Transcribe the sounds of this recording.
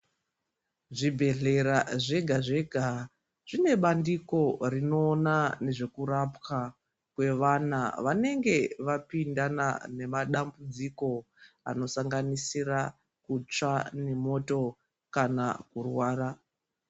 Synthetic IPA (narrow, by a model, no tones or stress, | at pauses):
ʐibʱe̞ɮe̞ɾaʐe̞ɡʱaʐe̞ɡʱa | ʐ̥ine̞ɓandiko̞rino̞ːnane̞ʐe̞kurapka | kwe̞ʋanaʋane̞ŋɡe̞ʋapindana̰ne̞maɗambud͡ziko̞ | a̰no̞saŋɡanisira | kut͡ʂane̞mo̞to̞ | kanakurwaːɾa